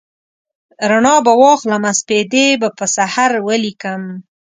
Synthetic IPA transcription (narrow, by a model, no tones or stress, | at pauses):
ɾaɳɑbawɑxlamasped̪ebapəsahaɾwəlikəm